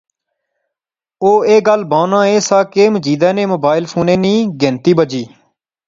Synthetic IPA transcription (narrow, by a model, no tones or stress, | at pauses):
oːeːɡəlbãːnãːeːsaːkeːməd͡ʒiːd̪ɛ̃ːnẽːmoːbaːɪlpʰuːneːniːɡẽːnt̪iːbəd͡ʒiː